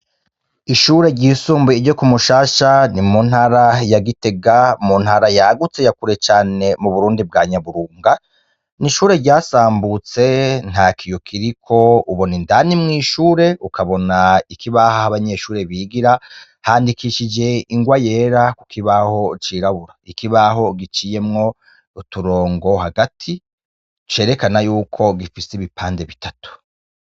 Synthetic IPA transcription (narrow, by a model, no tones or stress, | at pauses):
iʃuːɾe̞ɾɟisuːmbeiɟo̞kumuʃaːʃanimun̥haɾajaɡite̞ɡamun̥haɾajaɡut͡se̞jakuɾe̞t͡ʃaːne̞muβuɾuːndib̚ɡaːɲaβuɾuːŋɡa | niʃuːɾe̞ɾɟaːsaːmbut͡se̞n̥hakʰijo̞kʰiɾikʰo̞uβonindanimŋiːʃuːɾe̞ukaβo̞naikʰiβahahaβaɲe̞ːʃuːɾe̞βiɡiɾa | haːndikiʃid͡ʒe̞iŋɡwaje̞ːɾakukʰiβaho̞t͡ʃiːɾaβuɾaikiβaɦo̞ɡit͡ʃije̞mŋo̞ | utuɾo̞ːŋɡo̞haɡatʰi | t͡ʃe̞ːɾe̞kanajuːkʰo̞ɡifiseiβipʰaːndeβitatu̥